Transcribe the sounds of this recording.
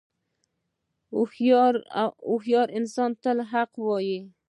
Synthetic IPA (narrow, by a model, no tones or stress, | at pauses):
ɾʊhjɑɾɪnsɑnt̪əlɦaqwɑji